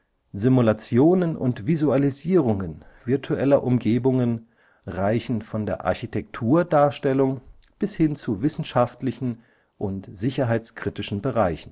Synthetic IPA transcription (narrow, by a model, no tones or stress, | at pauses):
zɪmulat͡sjoːnənʊ̰ntv̥izualiziːʁ̞ʊŋənv̥ɪɐtʰuʔɛlɐʔʊmɡeːbʊŋən | ʁaɪçn̩fɔndeːɐʔa̰ɐçitʰɛk̚tʰuːɐdaːɐʃtɛlʊŋ | b̥ɪshɪnt͡suvɪsn̩ʃaftlɪçn̩ | ʔʊntz̥ɪçɐɦaɪt͡skʁ̥itɪʃn̩bəʁaɪçn̩